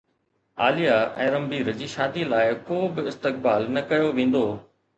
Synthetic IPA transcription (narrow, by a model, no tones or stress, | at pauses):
aːlijaɛ̰̃ːɾɐ̃mbiːɾd͡ʑiːʃaːd̪ilaːɪkoːbɪɪst̪ɪk̚baːlnɐkɐjoʋẽːn̆d̪oː